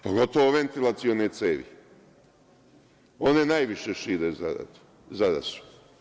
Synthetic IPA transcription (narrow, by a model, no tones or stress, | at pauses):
poɡo̞t̪oʋoʋent̪ilˠat̪sionet̪seːʋḭ | onenajʋiʃeʃiːɾez̰ | zad̪a̰su̥